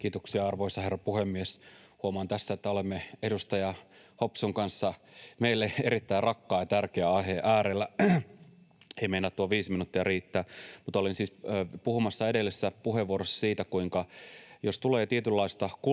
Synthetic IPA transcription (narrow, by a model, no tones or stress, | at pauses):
kiːt̪oksiɑɑrʋoisɑherːɑpuhemːieshuomɑːnt̪æsːæet̪ːæolemːeedust̪ɑjɑ | hopsuŋkɑnsːɑmeilːeeɾit̪ːæirɑkːɑːjɑt̪ærkeæɑɦeʔæːɾelːæ | eimeinːæt̪t̪uɑʋiːsminut̪ːiɑriːt̪ːæːmut̪olinsiːspuhumɑsːɑedelːisːæpuɦeʋuorosɑ̥siːt̪ækuiŋkɑjost̪uleːt̪iet̪ylːɑist̪ɑku